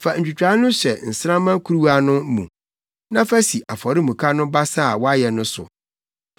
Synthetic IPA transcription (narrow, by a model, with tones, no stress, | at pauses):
fa˨n̩˨t͡ɕᶣu˨t͡ɕᶣa˨˦nʊ̃˦sɛ˨n̩˨sã˦mã˦kʰu˦ɾu˦a˦nʊ̃˦mṵ̃˨ | nã˦fæ˦si˨ʔa˨fɔ˨ɾɪ˦mũ˨kʰa˦nʊ̃˦ba˦saː˦˨wɔ˦a˦jɛ˨nʊ̃˦sʊ̰˨